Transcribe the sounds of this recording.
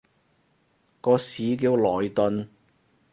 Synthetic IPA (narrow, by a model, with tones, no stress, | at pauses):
kɔː˧siː˨˥kiː˧wlɔː˨jt̪ɵ˧n